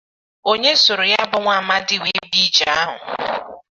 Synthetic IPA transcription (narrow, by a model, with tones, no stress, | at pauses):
o˦ɲe˦sʊ˨ɾʊ˨ja˦bʊ˨ŋʷa˨a˨ma˦dɪ˦we˦bi˦t͡ʃa˦a˦ɦʊ̰˨